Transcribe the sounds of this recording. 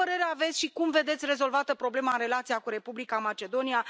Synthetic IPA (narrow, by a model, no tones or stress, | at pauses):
əɾe̞ɾeave̞t̪sʲʃikumve̞d̪e̞t̪sʲre̞zo̞lvat̪əpɾo̞ble̞maɨnre̞lat̪sijakuɾe̞publikamat͡ʃe̞d̪o̞nia